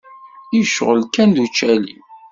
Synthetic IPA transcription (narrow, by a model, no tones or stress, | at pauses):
iʃʁəlkænd̪ut͡ʃːælḭ